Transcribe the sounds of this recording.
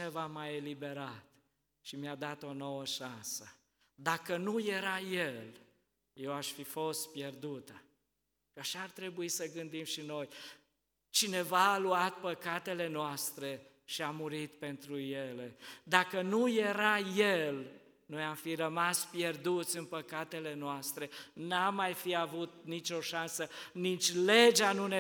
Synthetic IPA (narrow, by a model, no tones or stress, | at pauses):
evamajelibe̞ɾat̪ | ʃimjad̪at̪o̞no̞wəʃansə | d̪akənuje̞ɾajel | je̞waʃfifo̞st̪̚pje̞rd̪ut̪ə | aʃaːrt̪ɾe̞buisəɡɨnd̪imʃino̞j | t͡ʃine̞vaːluat̪̚pəkat̪e̞le̞noast̪ɾe̞ | ʃiamuɾit̪pe̞nt̪ɾuje̞le̞d̪akənuje̞ɾajel | no̞jamfirəmaspje̞rd̪ut̪sʲɨnpəkat̪e̞le̞noast̪ɾe̞namːajfiavut̪nit͡ʃo̞ʃansənit͡ʃʲle̞d͡ʒanune